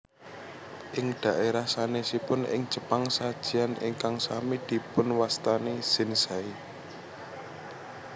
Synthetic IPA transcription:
ʔɪŋɖ̪̥ä̤ʔeɾahsanesipʊnʔɪ̰ŋ̥d͡ʒ̥ə̤paŋsad̥ʒ̥i̤anɪ̰ŋkaŋsamid̪̥i̤pʊnwast̪anez̥ɪnsai

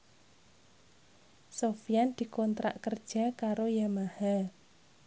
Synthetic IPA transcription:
sofijand̪̥i̤kɔnt̪ɾa̰ʔkərd̥ʒ̥a̤kaɾojamaha

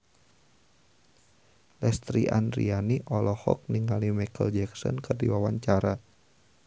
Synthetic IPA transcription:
lɛst̪ɾiʔa̰ndrḭaniʔɔlɔhɔ̰k̚niŋalimakəld͡ʒɛksɔ̰nkɨrdiwawaɲt͡ʃaɾa

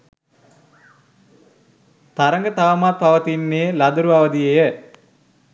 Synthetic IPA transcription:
t̪aɾəŋɡət̪aʋəmat̪̚paʋət̪inːeːlad̪uɾuaʋəd̪ijejə

